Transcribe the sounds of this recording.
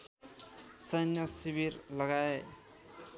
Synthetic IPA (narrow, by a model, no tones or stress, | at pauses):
sʌnjʌsibiɾlʌɡae